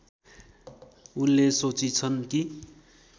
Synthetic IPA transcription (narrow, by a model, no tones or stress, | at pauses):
unːesot͡sit͡sʰʌnki